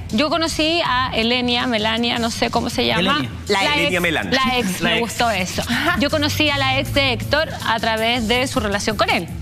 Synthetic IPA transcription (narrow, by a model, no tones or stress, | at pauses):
ɟ͡ʝo̞ko̞no̞siaelenjamelanjano̞sekomose̞ʝama | alejamela̰nlaeksmeɣust̪oeso̞ɟ͡ʝo̞kono̞sialaeksd̪eekt̪oɾ | a̰t̪ɾaβe̞zðe̞sure̞lasjo̞ŋko̞ne̞l